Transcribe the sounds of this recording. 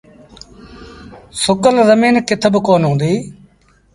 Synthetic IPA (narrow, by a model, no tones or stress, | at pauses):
sʊkəlzəmiːnkɪt̪ʰbəkoːnɦũːnd̪iː